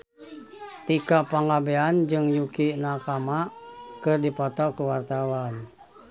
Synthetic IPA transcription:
t̪ikapaŋabɛand͡ʒɨŋjukinakamakɨrdipɔt̪ɔkuwart̪awan

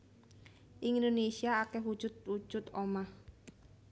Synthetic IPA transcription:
ʔiŋndonesiaːkɛɦwud̥ʒ̥ʊt̪̚wu̥ʒ̥ʊt̪omah

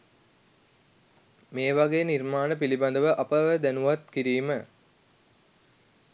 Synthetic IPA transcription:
meːʋaɡeːnirmaːnəpilibɐnd̪əʋəʔɐpəʋəd̪ænuʋat̪kiɾiːmə

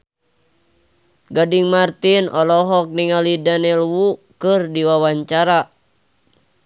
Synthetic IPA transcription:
ɡadiŋmart̪inɔlɔɦɔk̚niŋalidanɛlwukɨrdiwawaɲt͡ʃaɾa

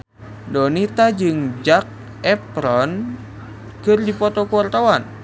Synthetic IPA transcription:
dɔnit̪ad͡ʒɨŋd͡ʒak̚ | ɛpɾɔn | kɨrdipɔt̪ɔkuart̪awan

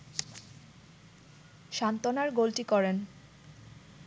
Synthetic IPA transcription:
ʃant̪onaɾɡolʈikɔɾen

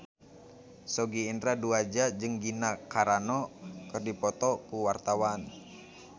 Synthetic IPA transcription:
sɔɡiːnd̪ɾaduad͡ʒad͡ʒɨŋɡinakaɾanɔkɨrdipɔt̪ɔkuwart̪awan

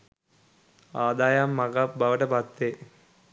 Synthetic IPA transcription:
aːd̪aːjaːmːɐɡabʱɐʋɐʈɐbʱaːt̪ːeː

